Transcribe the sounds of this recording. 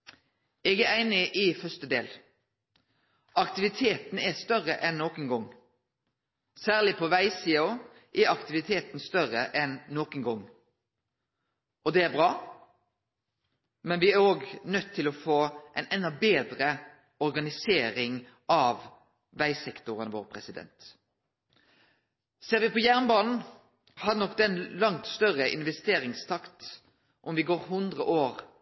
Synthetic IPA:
ɛːɡæɾæɪnɪʔɪfœst̪əd̪ḛːl | ɑkt̪ɪʋɪt̪ʰeːt̪n̩ɛst̪œʁəʔɛnːoːkənɡɔŋ | sæːʁlɪpʰɔʋæɪsiːɔ | ʔɛɑkt̪ɪʋɪt̪ʰeːt̪n̩st̪œʁəʔɛnːoːkənɡɔŋː | ɔd̪ɛæbʁɑː | mɛnʋɪæɾoːɡnœt̪ʰːɪlɔfoːʔɛɪnɛnɑbeːd̪ɾə | ɔɾɡɑnɪseːɾɪŋ | ʔɑʋ | ʋæɪsɛkt̪ʊʁənʋoːʁpʰɾɛsɪd̪ɛ̰nt̪ | seːɾʋɪpɔjæʁnbɑːnn̩ | hɑdnɔkːd̪ɛnlɑŋt̪st̪œʁəʔɪ̰nʋɛst̪eːɾɪŋst̪ʰɑkt̪ | ʔɔmʋɪɡoːɾɦʉnd̪ʁəʔoːʁ

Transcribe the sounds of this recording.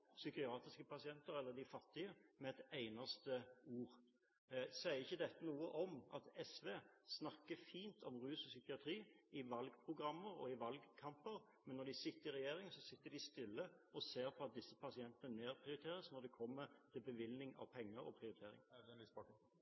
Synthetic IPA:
sʏkɪɑːt̪ɪskəpʰɑsɪɛnt̪əɾɛlːəd̪ɪfɑt̪ːɪəmɛɛt̪æɪnɑst̪əuːʁ | sæɪəɾɪçːəd̪ɛt̪ːənuːəʔɔmɑt̪ɛsʋeːsnɑkːəfiːnt̪ʰɔmʁʉːsɔsʏkɪɑt̪ʰɾiːɪʋɑlɡpʰɾʊɡɾɑmːəɾɔ̰ɪʋɑlɡkʰɑmpəɾ | mɛnːɔd̪ɪsɪt̪ːəɾɪɾɛjeːɾɪŋsɔsɪt̪ːəd̪ɪst̪ɪlːəɔseːɾpʰɔɑt̪̚d̪ɪsːəpʰɑsɪɛnt̪ənəneːɾpʰʁɪʊɾɪt̪ʰeːɾəsnɔʁd̪ɛkʰɔmːət̪ʰɪlbəʋɪlnɪŋɑ̰ʋpʰɛŋːəɾɔ̰pʰɾɪʊɾɪt̪ʰeːɾɪ̰ŋ

